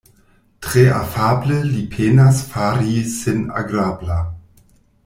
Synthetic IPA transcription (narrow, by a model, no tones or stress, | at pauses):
tʁ̥eʔafaːbləlipʰeːnasfaːɾisɪna̰ɡɾaːbla